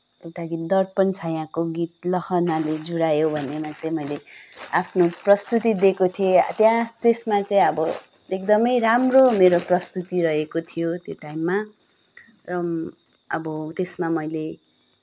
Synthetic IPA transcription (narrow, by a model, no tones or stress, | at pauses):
ewʈaɡit̪̚d̪ʌrpʌnt͡sʰʌjãkoɡit̪̚lʌhʌnaled͡zuɽajobʱʌnemat͡sʌĩmʌjleapʰnoprʌst̪ut̪id̪ekot̪ʰiḛt̪jãt̪esmat͡saĩʌbʌ | ek̚d̪ʌmʌjɾamromeɾoprʌst̪ut̪iɾʌɦekot̪ʰijot̪joʈajmːa | rʌ | ʌbʌt̪esmamʌjle